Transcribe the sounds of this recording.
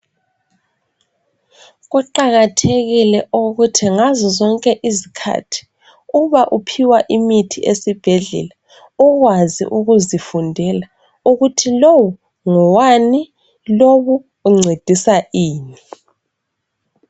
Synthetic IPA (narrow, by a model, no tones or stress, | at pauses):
ɣuǃaɣatʰeɣilɛʔoɣutʰiŋazɔzɔŋkʼɛʔizikʰa̰tʰi̥ | uβaʔupʰiwaʔimitʰiʔesib̥ʱeɮɛ̰la | uɣwazḭʔuɣuzifundʱɛla | uɣutʰilowɔ | ŋɔwani | loβu | uŋ͡ǀʱed̥ʱisaʔiːni